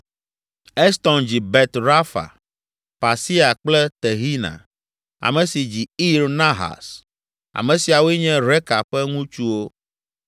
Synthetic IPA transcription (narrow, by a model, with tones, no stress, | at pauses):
ɛ˦st̪ɔ˨nd͡ʑi˨bɛ˨t̪ɾa˦fa̰˨ | pa˨si˦a˨k͡plɛ˦t̪ɛ˨ɦi˦nã̰˨ | a̰˨mɛ̃˨si˨d͡ʑi˨i˦ɾnã˦ɦa̰˨s | a̰˨mɛ̃˨si˨a˨we˦ɲɛ̃˦ɾɛ˦ka˨ɸɛ˦ŋũ˦t͡ʃu˦wo˦